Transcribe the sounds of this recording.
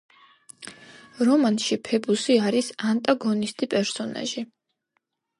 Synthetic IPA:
ɾɔmanʃipʰɛbusiaɾisant̪ʼaɡɔnist̪ʼipʼɛɾsɔna̰ʒi

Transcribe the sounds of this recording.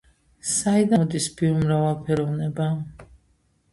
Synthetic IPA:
said̪aɔd̪isbiumɾavalˠpʰɛɾɔvnɛba

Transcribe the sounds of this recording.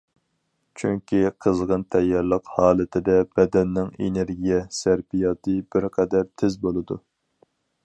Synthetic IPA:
t͡ʃʰyŋkʲiqʰəzʁənt̪ʰɛjːɛɾlˠəqhɑːlˠɨt̪ʰɪd̪ɛb̥ɛd̪ɛnːɪŋḛneɾɡʲijɛsæɾbijɑːt̪ɨbɪɾqʰɛd̪æɾt̪ʰɪzbolˠɨd̪u

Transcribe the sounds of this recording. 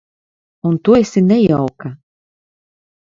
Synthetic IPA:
unt̪uɔesʲinʲɛjawka

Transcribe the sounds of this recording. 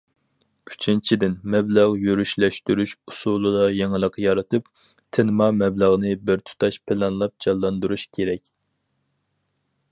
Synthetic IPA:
yt͡ʃʰint͡ʃʰid̪ɪnmɛblɑʁjyɾyʃlɛʃt̪yɾyʃusulˠɨd̪ɑjeŋɨlˠəqjɑɾɨt̪ʰɨp | t̪ʰɪnɨmɑmɛbləʁnɨbɪɾt̪ʰu̥t̪ʰɑʃpʰɪlɑnlˠɑp̚d͡ʒɑlˠːɑnd̪uɾuʃkʲʰeɾɛkʲ

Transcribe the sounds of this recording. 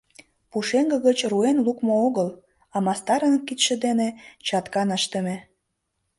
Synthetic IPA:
puʃeŋɡə̆ɣət͡ɕruenlukmooɣəl | ɑmɑst̪ɑɾənkːit̪ʃĕd̪enet͡ɕɑt̪kɑnəʃt̪ə̆me

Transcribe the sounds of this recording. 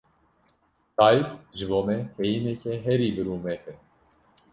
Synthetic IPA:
t̪ajfʒvɔmɛhɛjinɛcʰɛɦɛɾibəɾuːmɛt̪ʰɛ

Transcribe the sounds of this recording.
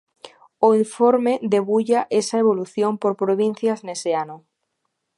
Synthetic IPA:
oiɱfoɾmed̪eβuʎaʔesaeβ̞oluθjompoɾpɾoβ̞in̟θjazneseano

